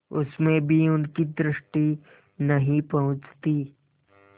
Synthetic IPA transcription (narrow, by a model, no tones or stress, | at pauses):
ʊsmẽbʱiʊnkid̪ɾɪʃʈi | nɐɦĩpɐɦʊ̃t͡ʃt̪iː